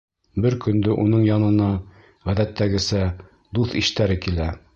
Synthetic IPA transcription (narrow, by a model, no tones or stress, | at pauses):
bɘɾkɵ̆nd̪ɵʔunɤɴjɒnɤ̆nɑ | ʁæðæt̪ːæɡɘ̆sæ | d̪uθiʃt̪æɾɘkilæ